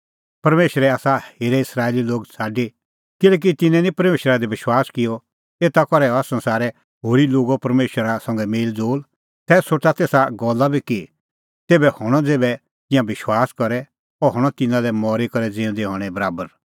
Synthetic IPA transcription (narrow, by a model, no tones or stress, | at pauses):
pɐɾmeːʃəɾɛaːsaheːɾɛɪsɾaːeliloːɡt͡sʰaːɖi | kɪlɛːk̬it̪ɪnɛ̃nĩpɐɾmeːʃɾad̪iʋɪʃwaːskɪjɔ | eːt̪akɔɾɛɔasɐ̃nsaːɾɛ | ɦoːɾiloːɡopɐɾmeːʃəɾasɐ̃ŋɡɛmeːld͡zoːl | t̪ɛːsoʈat̪eːsaɡɔlːabʱiki | t̪eːbɛhɔɽ̃ɔd͡zeːbɛ | t̪ɪ̃jãbɪʃwaːskɔɾɛ | ɔɦɔɽ̃ɔt̪ɪnãlɛmɔːɾikɔɾɛd͡zɪ̃ʊ̃d̪iɦɔːɽ̃ɛbɐɾaːbəɾ